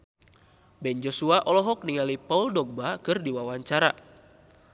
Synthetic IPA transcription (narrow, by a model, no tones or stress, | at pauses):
bɛnd͡ʒosuaʔɔlɔɦɔk̚niŋalipauldɔɡ̚bakɨrdiwawaɲt͡ʃaɾa